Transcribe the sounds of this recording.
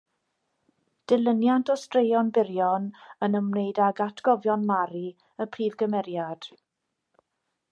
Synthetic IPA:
d̥ɪlˠənjantʰɔstrejɔnbɪɾjɔnənəmnejdaɡatʰɡ̥ɔvjɔnmaɾi | əpʰriːvɡəmɛɾjad̥

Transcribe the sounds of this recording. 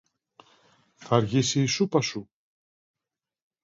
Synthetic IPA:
θɐɾʝisiːsupɐsu

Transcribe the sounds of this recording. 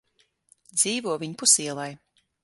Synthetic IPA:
d̪ziːvuɔvʲiɲpusiɛlˠaj

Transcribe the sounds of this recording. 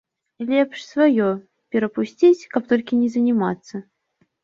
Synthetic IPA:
lʲɛpʂsvajo | pʲɪɾɐpʊsʲt͡sʲit͡sʲkapt̪olʲkʲɪnʲɪzənʲɪmat̪sːə

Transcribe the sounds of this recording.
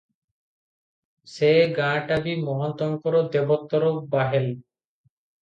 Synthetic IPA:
seɡãʈabimɔɦɔnt̪ɔŋkɔɾod̪ebot̪ːɔɾobaɦel

